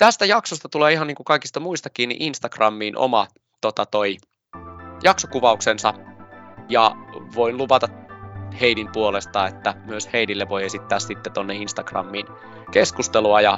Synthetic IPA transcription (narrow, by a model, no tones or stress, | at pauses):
t̪æst̪æjɑksost̪ɑt̪uleːihɑniːŋkukɑiki̥st̪ɑmuist̪ɑkːiːnːḭʔinst̪ɑkrɑmːiːnʔo̰mɑ̰ | t̪ot̪ɑt̪oi | jɑksokuʋɑuksensɑ | jɑʋoinluʋɑt̪ɑheinimpuolest̪ɑet̪ːæmyøsheinilːeʋojesit̪ːæːssit̪ːet̪onːeinst̪ɑkrɑ̰mːiːn | keskust̪eluɑjɑ